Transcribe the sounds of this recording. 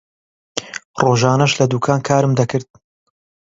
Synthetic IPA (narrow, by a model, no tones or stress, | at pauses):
roːʒaːnɐʃlɐd̪uːkʰaːnkʰaːɾɨmd̪ɐkɨɾd̪̚